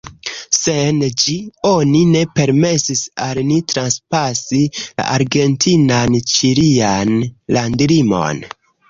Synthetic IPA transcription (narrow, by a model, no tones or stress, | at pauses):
send͡ʒio̞nine̞pe̞ɾme̞sisalnitɾanspasila̰ʔaɾɡe̞ntʰinant͡ʃiɾianlandlimo̞̰n